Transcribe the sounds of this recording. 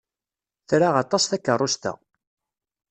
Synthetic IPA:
θɾaʁɑt̪ˤɑsθækːərˤːost̪æ̰

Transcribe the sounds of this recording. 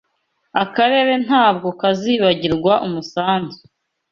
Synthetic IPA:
akaɾe̞ɾe̞n̥haːb̚ɡo̞kaziːβaɟiɾɡwaʔumusaːnzu

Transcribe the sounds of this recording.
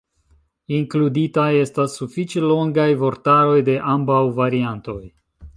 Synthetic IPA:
iŋkluditaje̞stasːufit͡ʃe̞lo̞ŋɡajvo̞ɾtaɾo̞jde̞ʔambawvaɾianto̞j

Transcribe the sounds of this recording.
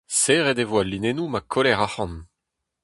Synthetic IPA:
seʁed̪evwalːinenumakʰolɛʁaχɑ̃n

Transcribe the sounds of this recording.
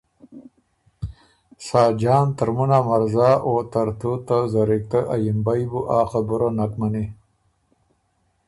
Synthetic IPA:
saːd͡ʒɑːnt̪aɾmunamaɾzaːʔot̪aɾt̪ut̪azaɾik̚t̪əʔajimbajbuʔaːxabuɾonakmani

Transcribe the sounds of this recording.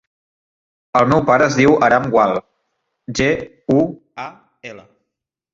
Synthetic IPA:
əlˠmɛwpaɾəːzðiwəɾamɡwalˠ | ʒe | u | a | ɛlə

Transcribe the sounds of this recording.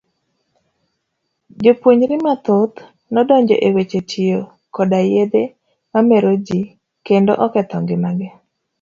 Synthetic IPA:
d͡ʒopwoɲɾɪmat̪ot̪ | nɔdɔɲd͡ʒɔ̰ʔewet͡ʃet͡ʃijo | kɔdajed̪e | mamɛɾod͡ʒi | kendo̰ʔɔkɛt̪ɔŋɡɪmaɡɪ

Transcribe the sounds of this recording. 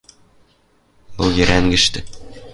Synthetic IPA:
bɤlˠjɘ̆ɾæŋɡɘ̆ʃt̪ɘ

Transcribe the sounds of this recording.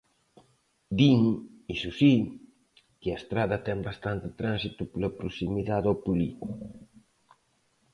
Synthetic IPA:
d̪iŋ | isusi | kɪɐest̪ɾaðɐt̪ɛŋbast̪ant̪ɪt̪ɾansit̪uplɐpɾosimiðaðowpuli

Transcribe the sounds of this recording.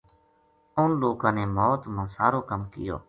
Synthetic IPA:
ʊnloːkãːneːmɔːt̪mãːsaːɾoːkəmkɪ̰jo̰ː

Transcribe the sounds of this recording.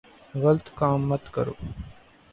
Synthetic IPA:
ɣəlt̪kaːmːət̪kə̰ɾo̰ː

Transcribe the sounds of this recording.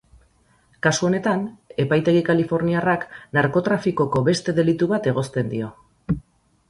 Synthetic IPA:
kasuo̞ne̞t̪ane̞pajt̪e̞ɣikalifo̞ɾniaraknaɾko̞t̪ɾafiko̞ko̞βe̞st̪e̞ðe̞lit̪uβat̪e̞ɣ̞o̞st̪e̞nd̪io̞

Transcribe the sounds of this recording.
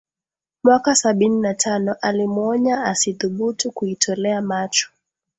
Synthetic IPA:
mwakasaɓininatʰanɔʔalimɔɲaasiθuɓutukuitʰɔlɛamat͡ʃɔ̥

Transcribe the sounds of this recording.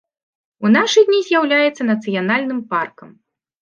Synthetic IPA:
unaʂɨdʲnʲizʲjawlʲajɛt̪sːɐnɐt̪sɨjanalʲnɨmparkɐm

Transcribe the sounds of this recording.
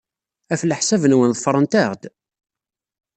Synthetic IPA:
æfləħsævənwənðˤəfɾˤənt̪æʁd̪

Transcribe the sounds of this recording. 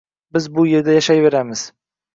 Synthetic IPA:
bɪzbʊje̞ɾd̪ajaʃajve̞ɾamɪz̥

